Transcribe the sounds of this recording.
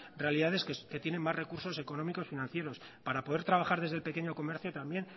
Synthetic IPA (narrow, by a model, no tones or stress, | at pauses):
rre̞aliðaðe̞skke̞t̪je̞ne̞mːazre̞kuɾso̞se̞ko̞nõ̞miko̞sfinãnθje̞ɾo̞s | paɾapoðe̞ɾt̪ɾaβaxaɾðe̞zðlpe̞ke̞ɲoko̞me̞ɾθjot̪ambje̞n